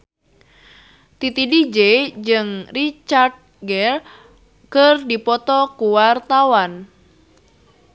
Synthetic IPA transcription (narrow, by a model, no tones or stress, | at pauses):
t̪it̪idid͡ʒed͡ʒɨŋrit͡ʃard̪̚ɡɛr | kərdipɔt̪ɔkuwart̪awan